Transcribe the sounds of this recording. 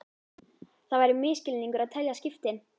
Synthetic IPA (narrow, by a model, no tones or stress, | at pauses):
θavajɾɪmɪːscɪlniŋkʏɾaðt̪ʰɛljascɪft̪ɪn